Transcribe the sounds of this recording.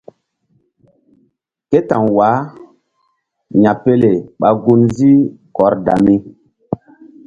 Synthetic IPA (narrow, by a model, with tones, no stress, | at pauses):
ke˦ta˨ŋwa˨˦ | ɲa˨pe˦le˨ɓa˨ɡu˦nzi˦kɔ˨ɾda̰˨mi˦